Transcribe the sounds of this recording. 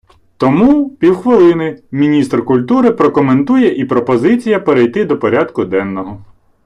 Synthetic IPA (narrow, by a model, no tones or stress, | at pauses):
t̪ɔmupʲiwxʋɪlˠɪnɪmʲinʲist̪rkʊlʲt̪uɾɪpɾɔkɔment̪ujɛʔipɾɔpɔzɪt͡sʲijɐpeɾejt̪ɪd̪ɔpɔɾʲɑd̪kʊd̪ɛnːɔɦɔ